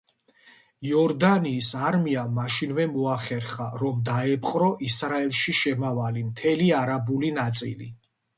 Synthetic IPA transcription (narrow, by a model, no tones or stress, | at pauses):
jɔɾd̪aniːsaɾmiamaʃinvɛmɔaχɛɾχaɾɔmd̪aɛpʰʼqʼɾɔʔisɾaɛlˠʃiʃɛmavalimt̪ʰɛliaɾabulinat̪sʼḭlḭ